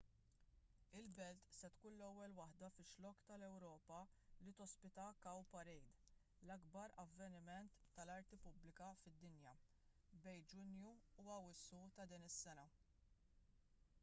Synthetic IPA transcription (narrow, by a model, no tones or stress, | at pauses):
ɪlbɛlt̪sɛt̪kuːnlɛwːɛlwɐħd̪ɐfɪʃlɔkːt̪ɐlɛwɾɔːpɐlit̪ɔspɪt̪ɐkɐwpɐɾɛjd̪ | lɐɡbɐɾɐvːɛnɪmɛnt̪ːɐlɐɾt̪ipʊblɪkɐfɪd̪ːɪnjɐ | bɛjnd͡ʒʊnjuuɐwɪsːut̪ɐd̪iːnɪsːɛnɐ